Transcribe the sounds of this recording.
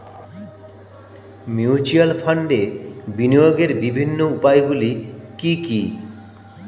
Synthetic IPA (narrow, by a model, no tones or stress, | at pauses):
mjut͡ɕualfʰaɳɖebinijoɡeɾbibʱinːoupajɡulikiki